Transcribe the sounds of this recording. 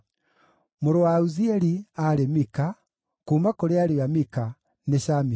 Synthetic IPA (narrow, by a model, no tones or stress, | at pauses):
moɾowauziɛɾiaɾemika | kumakoɾeaɾijamika | neʃami